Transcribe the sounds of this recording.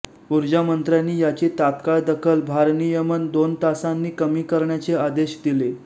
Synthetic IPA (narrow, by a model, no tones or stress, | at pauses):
uɾd͡ʑamənt̪ɾjanːiːjat͡set̪at̪kaɭd̪əkʰəlbʱaɾnijəmənd̪ont̪asanːiːkəmiːkəɾɳjat͡sead̪eɕd̪ile